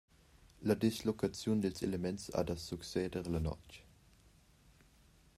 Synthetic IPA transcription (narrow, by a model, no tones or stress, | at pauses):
lɐd̪islokat͡sjund̪elselemɛnsa̰d̪asuksɛːdəʁlɐnɔ̰t͡ʃ